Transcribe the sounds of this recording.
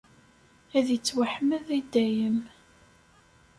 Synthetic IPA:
æðjət͡sːwaħməðid̪ːæjəm

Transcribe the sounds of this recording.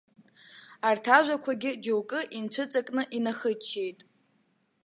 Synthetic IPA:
artʰaʒʷakʷʰaɡʲɪd͡ʒowkʼɨʔint͡ɕʷʰɨt͡sʼakʼnɨʔinaχɨt͡ʃʰːe̞jtʼ

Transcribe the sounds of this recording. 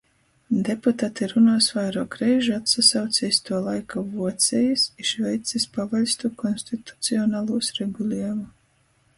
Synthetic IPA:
d̪eput̪aːt̪iɾunaːsvajɾɔːkɾɛjʒat̪sasawt̪sɛːst̪uɔlˠajkavuɔt̪sʲɛjɨsiʃvɛjt̪sispavalʲst̪ukɔnsʲt̪it̪u̥t̪siɔnaːlˠuːsɾeɡulʲiɛmu

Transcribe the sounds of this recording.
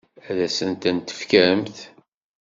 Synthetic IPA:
æðæsənt̪ænt̪ə̥fkəɾəmθ

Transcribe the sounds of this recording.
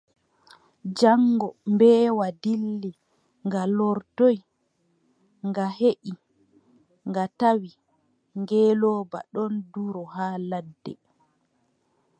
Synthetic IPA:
d͡ʒaŋːɡɔmbɛːwadilːi | ŋɡalɔɾtɔj | ŋɡaɦeʔi | ŋɡatawi | ŋɡɛːlɔːba̰ɗɔnduɾɔɦaːladːɛ̰

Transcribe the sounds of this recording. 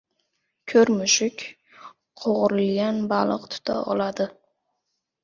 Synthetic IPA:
kʲʰɵɾmʊʃɪkʲ | qʰoʁɾɪlɡʲanbalˠɨqt̪ʰʊ̥t̪ʰa̰ʔɒ̰lˠad̪ɪ

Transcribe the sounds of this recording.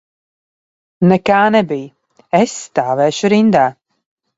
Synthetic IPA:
nɛkaːnɛbij | ɛsːt̪aːvɛːʃuɾind̪aː

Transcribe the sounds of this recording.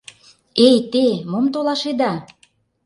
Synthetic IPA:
ejt̪emomt̪olɑʃed̪ɑ

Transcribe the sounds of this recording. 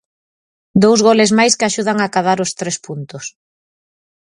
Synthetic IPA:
d̪owzɣolɪzmajskaʃuð̞aŋakað̞aɾʊst̪ɾespunt̪ʊs

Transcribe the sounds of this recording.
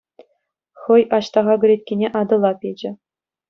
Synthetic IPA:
χɤ̆jɑɕt̪ɑʁɑɡʲɘ̆ɾʲet̪̚ʲkʲenʲeʔɑd̪ɤ̆lˠɑpʲed͡ʑɘ̆

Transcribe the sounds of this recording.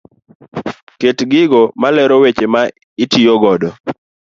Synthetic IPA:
ketɡɪɡɔmalɛɾɔwet͡ʃema | ɪtijoɡɔdɔ

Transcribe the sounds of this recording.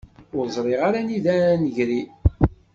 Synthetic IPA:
ʊɾzˤɾˤɪʁaɾaniðænəʝɾi

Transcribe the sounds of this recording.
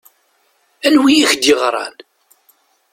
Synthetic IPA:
ænwijiçd̪jəʁɾˤɑ̰n

